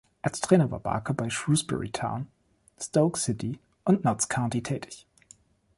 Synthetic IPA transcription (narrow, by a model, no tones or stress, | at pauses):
ʔalstʁ̥ɛːnɐva̰ːba̰ːkəbaɪʃʁuːsb̥ɛ̰ɹḭtʰã̰ʊ̃n | stoʊksɪtʰi | ʔʊntnɔtskʰaʊntitʰɛːtʰɪ̥ç